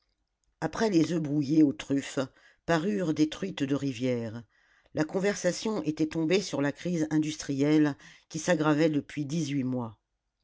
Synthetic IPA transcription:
apχɛlezøbʁujeot̪χyf | paʁyʁd̪et̪χɥit̪d̪əʁivjɛːʁ | lakɔ̃vɛʁsasjɔ̃ʔet̪ɛt̪ɔ̃besyʁlakχizɛ̃d̪yst̪χijɛlkʲisaɡʁavɛd̪əpɥid̪izɥimwa

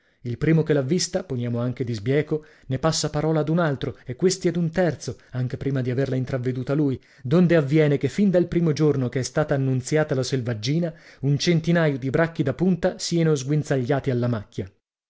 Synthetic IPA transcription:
ilpɾiːmokelavːist̪aponjaːmoaŋk̟ed̪izbjɛːko | nepasːapaɾɔːlad̪unalt̪ɾoekːwest̪iɛd̪unt̪ɛrt̪soaŋk̟epɾiːmad̪iaverlaint̪ɾavːed̪uːt̪aluj | d̪ond̪eavːjɛːnekefːind̪alpɾiːmod͡ʒornokeɛst̪aːt̪aːnːunt̪sjaːt̪alaselvad͡ʒːiːnaunt͡ʃent̪inaːjod̪ibɾakːid̪apunt̪asianozɡwinsaʎːaːt̪ialːamakːja

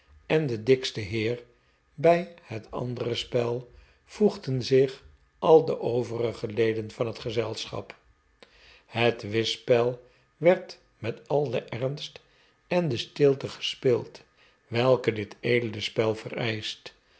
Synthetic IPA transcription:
ɛndədɪkstəɦɪːɹ | bɛjhətɑ̰ndərəspɛlˠ | v̥uχdənzɪχ | ʔɑlˠdəʔowvərəχəlejdənvɑnɦətχəzɛlˠsχɑ̰p | hətʋɪspɛlˠ | ʋɛɹt | mɛtɑlˠdəʔɛrnst | ɛndəstɪlˠtəχə̥spɪlˠt | ʋɛlˠkədɪtʰejdələspɛlˠvə̰rɛjst

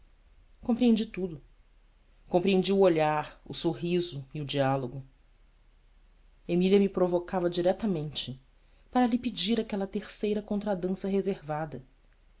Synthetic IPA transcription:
kõpɾiẽnd͡ʒit̪ud̪ʊ | kõpɾiẽnd͡ʒiuoʎaɾʊsoɦizʊiʊd͡ʒialoɡʊ | emiliɐmipɾovokavɐd͡ʒiɾɛt̪ɐmẽnt͡ʃɪ | paɾɐlipid͡ʒiɾakɛlɐt̪eɾsejɾɐkõnt̪ɾad̪ɐ̃sɐɦezeɾvad̪ɐ

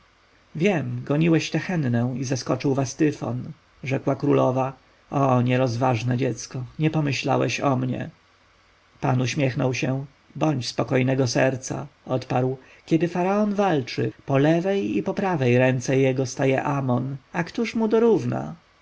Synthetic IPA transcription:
vʲjɛmɡɔɲiwɛɕt̪ɛxɛnnɛ̃w̃izaskɔt͡ʂɘwvast̪ɘfɔ̰n | ʐɛkwakɾulɔva | ɔɲɛɾɔzvaʐnɛd͡ʑɛt̪skɔɲɛpɔmɘɕla̰wɛ̰ɕɔmɲɛ̰ | pa̰nuɕmʲjɛxnɔwɕɛ | bɔɲt͡ɕspɔkɔjnɛɡɔsɛɾt̪sa̰ɔt̪paɾw | kʲɛd̪ɘfaɾaɔnvalt͡ʂɘpɔlɛvɛjipɔpɾavɛjɾɛnt̪sɛjɛɡɔst̪ajɛʔamɔnakt̪uʂmud̪ɔɾuvna̰

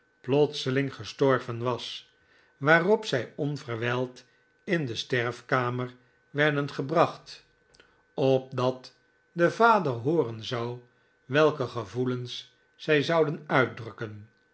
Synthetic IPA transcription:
plɔtsəlɪŋχəstɔɹvənʋɑs | ʋaːrɔpsɛjɔnvərʋɛlˠt | ɪndəstɛɹfkaːməɹ | ʋɛɹdənχəbrɑχt | ɔp̚dɑt | dəvaːdərɦʊːrənzɑw | ʋɛlˠkəχəvuləns | sɛjzɑwdənœɥt̚drɵkən

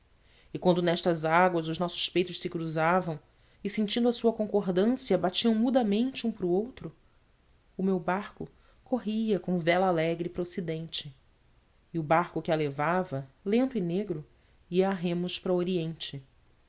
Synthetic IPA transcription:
ɪkwɐ̃nd̪ʊnɛʃt̪ɐzaɡwɐzʊznɔsʊ̥ʃpejt̪ʊʃsɪkɾuzavɐ̃w̃ | ɪsẽnt͡ʃĩnd̪ʊɐsuɐkõkoɦd̪ɐ̃siɐbat͡ʃiɐ̃w̃mud̪ɐmẽnt͡ʃɪũpɾʊowt̪ɾʊː | mewbaɾkʊ | kʰoɦiɐkõw̃vɛlalɛɡɾɪpɾosid̪ẽnt͡ʃɪ | ɪʊbaɾkʊkɪalevavɐlẽnt̪ʊɪneɡɾʊ | iɐːɦẽmʊʃpɾɐoɾiẽnt͡ʃɪ

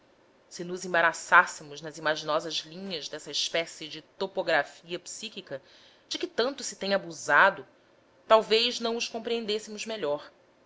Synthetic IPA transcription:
sɪnʊzẽbaɾasasɪmʊznɐzimaʒinɔzɐzlĩɲɐzd̪ɛsɐɪʃpɛsɪd͡ʒɪt̪opoɡɾafiɐpsikikɐ | d͡ʒɪkɪt̪ɐ̃nt̪ʊsɪ̥t̪ẽj̃abuzad̪ʊ | t̪awvejznɐ̃w̃ʊʃkõmpɾiẽnd̪esɪmʊzmeʎɔɾ

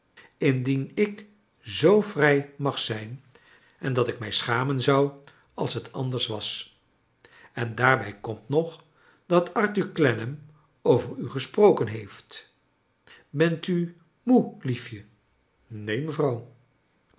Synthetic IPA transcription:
ɪndinɪk | zowvrɛjmɑχsɛjn | ɛndɑtɪkmɛjsχaːmənzɑw | ɑ̰lˠsɦətɑndəɹsʋɑs | ɛndaːɹbɛjkɔmtnɔχ | d̥ɑtɑɹtyɹklɛnəm | owvəɹyχəsprowkənɦejft | bɛnty | mulifjə | nejməvrɑw

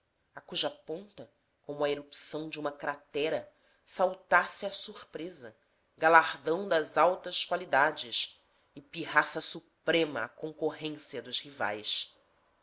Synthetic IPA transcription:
akuʒɐpõnt̪ɐ | kõmʊɐeɾupsɐ̃w̃d͡ʒɪũmɐkɾat̪ɛɾɐ | sawt̪asɪɐsuɾpɾezɐ | ɡalaʁd̪ɐ̃w̃d̪ɐzawt̪ɐʃkwalid̪ad͡ʒɪʃ | ɪpiɦasɐsupɾẽmɐ̰a̰kõŋkoɦẽsiɐd̪ʊzhiva̰js

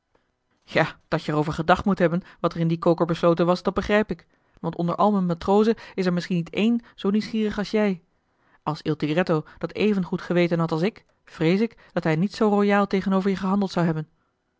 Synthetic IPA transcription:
jaːd̥ɑtjəərowvəɹχədɑχtmutɦɛbənʋɑtəɹɪndikowkəɹbəslowtənʋɑsd̥ɑt̚bəχrɛjpɪk | ʋɑntɔ̰ndə̰ɹʔɑ̰lˠmənmatrowzəɪsɛɹmɪsχinːitejnz̥owniwsχiːrəχɑlˠsjɛj | ʔɑlˠsɪlˠtiɡrɛtowd̥ɑtejvənχutχəʋejtənɦɑtɑlˠsɪk | v̥rejsɪk | d̥ɑtɦɛjnitsowrojaːlˠtejχənowvəɹjəχəɦɑndəlˠtsawɦɛbən

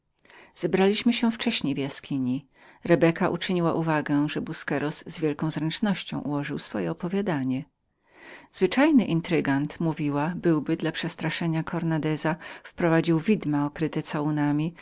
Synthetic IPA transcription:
z̥ɛbɾalʲiɕmɘɕɛft͡ʂɛɕɲejvjaskʲʰiɲi | ɾɛbɛkaʔṵt͡ʂɘɲiwaʔuvaɡɛʐɛbuskɛɾɔzːvʲjɛlkɔ̃w̃zɾɛnt͡ʂnɔɕt͡ɕɔ̰̃w̃ʔṵwɔʐɨwsfɔjɛɔpɔvʲjad̪aɲɛ | z̥vɘt͡ʂajnɘʔint̪ɾɘɡant̪muvʲiwabɘwbɘd̪lapʂɛst̪ɾaʂɛɲakʰɔɾnad̪ɛzafpɾɔvad͡ʑiwvʲid̪maɔkɾɘt̪ɛt̪sawunamʲi

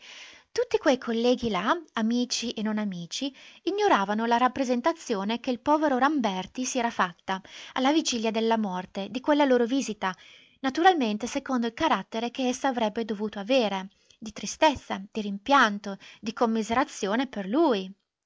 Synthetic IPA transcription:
t̪ut̪ːikwejkʰolːɛːɡilaamiːt͡ʃiʔenonamiːt͡ʃiːɲːoɾaːvanolaɾapːɾezent̪at̪sːjoːnekeilpɔːveɾoɾambɛrt̪isiɛːɾafat̪ːaalːavid͡ʒiljad̪elːamɔrt̪ed̪ikwelːaloːɾoviːzit̪a | nat̪uɾalment̪esekond̪oilkaɾat̪ːeɾek̟eesːaːvɾɛbːed̪ovuːt̪oaveːɾe | d̪it̪ɾist̪et̪sːad̪̥iɾimpjant̪od̪ikomːizeɾat̪sːjoːneperlui

